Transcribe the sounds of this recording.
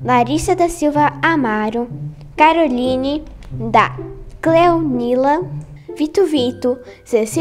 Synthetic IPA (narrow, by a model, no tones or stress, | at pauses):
laɾisɐd̪ɐsilvɐamaɾu | kaɾolini | d̪ɐklɛwnilɐvit̪uvit̪uzes